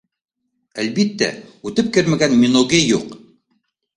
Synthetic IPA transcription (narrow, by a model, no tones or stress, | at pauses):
ælbit̪ːæ̰ʉt̪ɘp̚kɘɾmæɡænmʲinoɡejuq